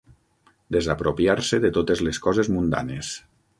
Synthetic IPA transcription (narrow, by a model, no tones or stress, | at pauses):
d̪ezapɾopjaɾseðet̪ot̪ezleskɔzezmund̪a̰nes